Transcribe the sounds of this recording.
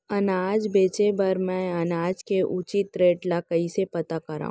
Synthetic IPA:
ɐnaːd͡ʒbeːt͡ʃebɐɾmɛ̃ɐnaːd͡ʒkeʔʊt͡ʃit̪ɾeːʈlakəisepɐt̪akɐɾa̰ːɦũ

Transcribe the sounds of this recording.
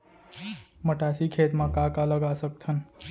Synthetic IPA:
məʈasikʰet̪mãkakaləɡasək̚t̪ʰən

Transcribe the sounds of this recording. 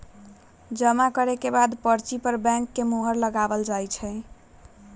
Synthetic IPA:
d͡ʒəmakəɾekebad̪pəɾt͡ʃipəɾbɛ̃ŋkːemoɦəɾləɡabəld͡ʒajt͡ʃʰəɪ

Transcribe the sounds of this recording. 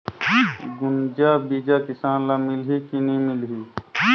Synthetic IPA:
ɡʊnd͡ʒabiːd͡ʒakɪsaːnlamɪlɦikiniimɪlɦi

